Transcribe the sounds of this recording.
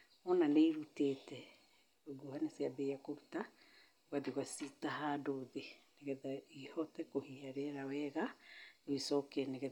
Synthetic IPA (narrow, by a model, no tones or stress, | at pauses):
ɔnaneiɾutetɛ | oɡuhaneseaðejakoɾuta | waðiɣwasitahadoðeneɣɛðaihɔtɛkohiaɾɛɾawɛɣanewisɔkeneɣɛ